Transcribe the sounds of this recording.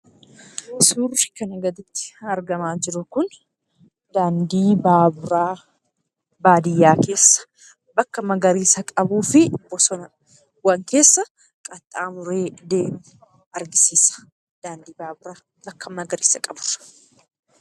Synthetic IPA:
ɪsuːrɪkɐnɐɡɐd̪ɪt̪ːɪ̥ɐɾɡɐmaːd͡ʒɪɾʊkʊn | d̪aːnd̪iːbaːbʊɾaː | baːd̪ɪjːaːke̞ːsːɐ̥ | bɐkːɐmɐɡɐɾiːsɐkʼɐbuːfɪbɔsɔnɐ | wɐŋke̞ːsːɐ | kʼɐt̪ʼːaːmʊɾe̞ːd̪e̞ːmʊ | ɐɾɡɪsiːsɐ̥ | d̪̥aːnd̪iːbaːbʊɾaː | bɐkːɐmɐɡɐɾḭːsɐkʼɐbʊr

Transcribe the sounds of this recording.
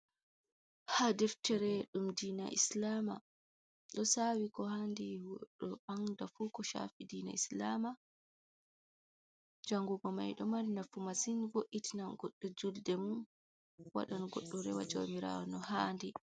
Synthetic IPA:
hadɛftɛɾɛɗumdiːna̰ʔḭslama̰ | ɗɔsawikɔhandiwɗɔaŋdafukɔʃa̰fidiːna̰islama | d͡ʒaŋɡuɡɔma̰jɗɔmaɾinafumasinvoʔːitinaɡɔɗːɔd͡ʒuldɛmun | wa̰ɗanɡɔɗːɔɾɛ̰wa̰d͡ʒo̰miɾa̰wɔnɔhaːndi

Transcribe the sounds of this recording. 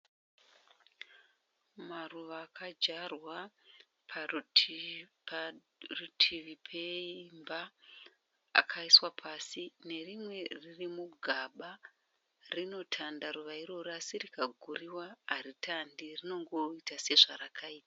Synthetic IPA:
maruʋaːkʰad͡ʒarwa | pʰ | p | rutʰiʋipʰeimbaː | kʰaiswapʰaːsine̞rimwe̞ririmuɡʱaɓa | rino̞tʰandaɾuʋaiɾoɾasirikaɡʱuriwaɦaɾitʰandirino̞ŋɡo̞itase̞ʐaɾakʰaiːta

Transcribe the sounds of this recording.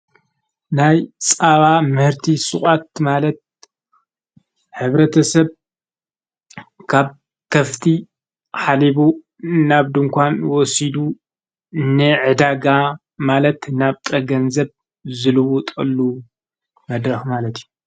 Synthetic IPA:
najt͡sʼaβamɨhɨɾt̪ʰisɨ̰χʼat̪malɐt̪̚ | ħɨβɾɐt̪ʰɐsɐβ | kʰaβ | kʰɐft̪ʰi | ħaliβu | naβd̪ɨŋkʷanwɔsid̪u | nːɨʕɨd̪aɡa | malɐt̪naβt̪ʼɐɡɐnzɐβ | zɨlɨwɔt̪ʼɐlːu | mɐd̪ɾɐxmalɐt̪ʰju

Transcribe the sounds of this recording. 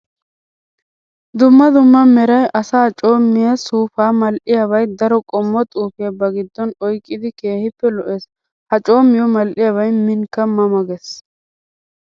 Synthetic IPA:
d̪ʊmːɐd̪ʊmːɐmɛɾɐjʔɐsaːt͡ʃʼo̞ːmːɪjɐsuːfaːmɐlʔɪjɐβɐjd̪ɐɾɔkʼɔmːɔt̪ʼuːfeːbɐɡɪd̪ːɔnɔjkʼːɪd̪ɪke̞ːhɪpːɛlɔʔes | hɐt͡ʃʼo̞ːmːɪjɔmɐlʔɪjaβɐjmɪŋkːɐmɐmɐɡɛs

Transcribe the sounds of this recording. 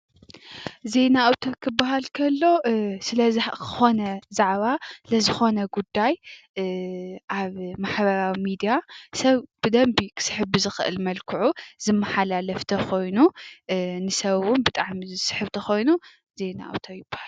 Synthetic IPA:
ze̞naawt̪ʰokʰɨbːaɦalkʰɐlːo̞sɨlɐzkʰɨ̥xo̞nɐzaʕβasɨlɐzɨxo̞nɐɡud̪ːaj | ʔaβmaħbɐɾawimid̪ijasɐβb̥ɨd̪ɐmbikʰɨ̥sɨ̥ħɨbbɨzɨxɨʔɨ̰lmɐlkʰɨʕuz̥ɨmːɐħalalɐft̪ʰɐkʰo̞jnu | nɨsɐβʊnbɨt̪ʼaʕmizɨsɨ̥ħɨβt̪ʰɐxo̞jnu | ze̞na̰ʔa̰wt̪ʰojɪbːḁhal

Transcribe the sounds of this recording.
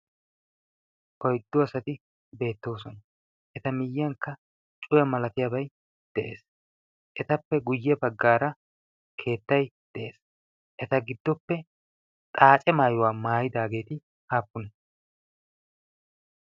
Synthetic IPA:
ʔɔjd̪ːɔɐsɐt̪ɪ | be̞ːt̪ːo̞ːsɔnɐ | ʔɛt̪ɐmɪjːɐŋkːɐ | t͡ʃʼʊjɐmɐlɐt̪ɪjabɐj | d̪̥ɛʔe̞̰ːs | ʔɛt̪ɐpːɛɡʊjːɛbɐɡːaːɾɐ | kʰe̞ːt̪ːɐjd̪̥ɛʔeːs | ʔɛt̪ɐɡɪd̪ːɔpːɛ | t̪ʼaːt͡ʃʼɛmaːjʊwaːmaːjɪd̪aːɡe̞ːt̪ɪ | haːpːʊnɐ

